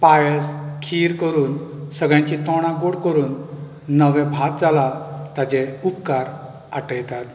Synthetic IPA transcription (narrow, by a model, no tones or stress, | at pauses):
pajəskʰiɾkəɾuːnsəɡɭjãɲt͡ɕit̪ɔɽ̃ãɡoɽkəɾuːnː | əʋɛ̃bʱat̪̚d͡zalat̪ad͡ʑɛ̃upkaɾ | aʈəjt̪at̪